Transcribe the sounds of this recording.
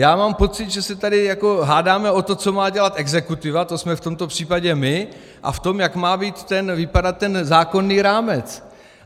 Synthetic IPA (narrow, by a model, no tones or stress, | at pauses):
jaːmaːmpo̞t͡sɪt̪ʒɛsɛt̪adɪjako̞ɦaːdaːmɛo̞t̪o̞t͡so̞maːɟɛlat̪ɛɡzɛkut̪ɪvat̪o̞smɛft̪o̞mt̪o̞pr̥iːpaɟɛmɪ | ʔa̰ft̪o̞mjakmaːbiːt̪ːɛnvɪpadat̪̚ːɛnzaːko̞nːiːɾaːmɛt͡s